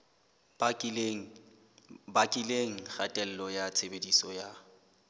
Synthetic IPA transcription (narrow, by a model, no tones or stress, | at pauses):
bakʼileŋ̩χatʼɛl̩lɔjat͡sʰebedisɔja